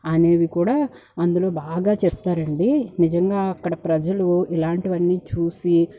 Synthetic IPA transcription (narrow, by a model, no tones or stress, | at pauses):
ɐne̞ːʋikuːɽaː | ɐnd̪ulo̞ːbaːɡaːt͡ʃɛp̚t̪aːɾɐɳɖinid͡ʒɐŋɡaːɐkːɐɽɐpɾɐd͡ʒɐluilaːɳʈiʋɐnːiːt͡ʃuːsi